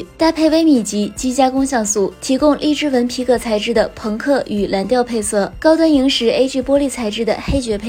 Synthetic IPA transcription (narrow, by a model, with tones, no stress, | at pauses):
t̪a˥˧pʰe˥˩ɪwe˥ɪmi˨˩t͡ɕi˧˥t͡ɕi˥t͡ɕja˥kʊ˥ŋɕjɑ˥˩ŋsu˨˩t̪ʰi˧˥kʊ˥ŋli˥˧ʈ͡ʂɻ̩˥wə˧˥npʰi˧˥kɤ˨˩t͡sʰa˧˥ɪʈ͡ʂɻ̩˥˩d̪ə˨˩pʰɤ˧˥ŋkʰɤ˥˩y˨˩la˧˥nt̪jɑ˥˧ʊpʰe˥˧ɪsɤ˥˩kɑ˥ʊt̪wa˥ni˧˥ŋʂɻ̩˧˥e˥ɪʈ͡ʂy˥˩pwɔ˥li˥˩t͡sʰa˧˥ɪʈ͡ʂɻ̩˥˩d̪ə̰˨xe˥ɪt͡ɕɥɛ˧˥pʰe˥˧